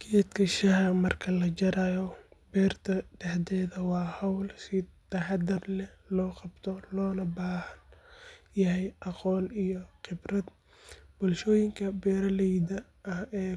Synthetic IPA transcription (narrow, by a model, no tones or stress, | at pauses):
kʰɛːd̪kʰɐʃɐɦɐmɐrkʰɐlɐt͡ʃɐɾaːjɔbɛːrt̪ʰɐɖɛħd̪ɛːðɐwɑːhɐwlsɪt̪ɐħɑd̪ɪrlɛhlɔːqɑbt̪ʰɔlɔːlɐbaːhɐnjɐɦɛjʔɑqɔːnijɔqɪbrɐd̪ | b̥ɔlʃɔːjɪŋkʰɐbɛːɾɐlɛjdɐ | ɐhɛː